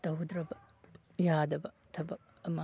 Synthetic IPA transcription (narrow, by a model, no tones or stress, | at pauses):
t̪ɐɦud̪ɾɐbɐ | jaːd̪ɐbɐ | t̪ʰɐbɐ | ɐma